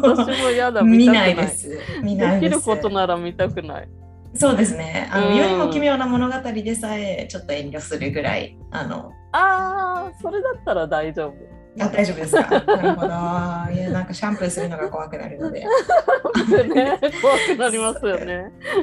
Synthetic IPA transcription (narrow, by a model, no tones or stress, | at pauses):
aimojad̪aimʲinainesɨmʲineidkʲieɾɯ̟ko̞t̪o̞naɾamʲit̪akɯ̟na̰ḭ | so̞ːd̪esɨne̞a̰nõjɯɲʲimo̞imʲjo̞ːnamo̞no̞ɡat̪aɾʲid̪e̞saet͡ɕo̞t̪ːo̞ẽ̞ɲʲɾʲo̞sɨɾɯ̟ɡɯ̟ɾa̰ḭ | a̰no̞̰ | aːso̞ɾe̞d̪at̪ːaɾad̪aid͡ʑo̞ːbɯ̟ | ad̪aiʑo̞bd̪eska̰aɾɯod̪ojanãŋkaɕãmpɯsɨɾɯ̟no̞ɡako̞βakɯ̟na̰ɾɯ̟no̞d̪e̞̰ | eneko̞βakɯ̟naɾʲimasɨjone̞